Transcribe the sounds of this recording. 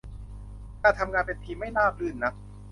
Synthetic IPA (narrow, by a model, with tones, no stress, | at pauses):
kaː˧˥˩t̪ʰa˧mŋaː˧npe˧nt̪ʰiː˧ma˥˩jlaː˥˩p̚lɯː˨˩nːa˦˥p̚